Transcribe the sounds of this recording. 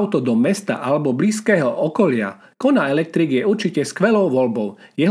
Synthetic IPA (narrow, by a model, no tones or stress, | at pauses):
ʊt̪ɔd̪ɔmɛst̪a̰ʔalɛbɔbliːskɛːɦɔʔɔkɔlɪa̰ | kɔnaɛlɛk̚t̪ɾiːɡjɛuɾt͡ʃicɛskʋɛlɔʊʋɔlbɔʊjɛɦ